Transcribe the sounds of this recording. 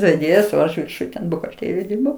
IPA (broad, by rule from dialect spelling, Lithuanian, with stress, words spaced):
ʋʲɛˈdʲeːjɛs oː ˈɐʃ ʋʲɪrˈʃʊj tʲɛn bʊɣɐlʲˈtʲeːrʲɪjoːj ˈdʲɪrbɐʊ